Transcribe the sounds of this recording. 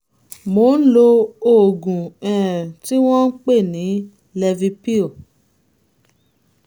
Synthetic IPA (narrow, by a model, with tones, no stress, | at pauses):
mo˨˦n̩˦lo˧o˨ɡũ˨ɛ̃˨ti˦w̃ɔ̃˦n̩˦k͡pe˦˨nĩ˨˦ | lɛ˧vi˧pi˦o˨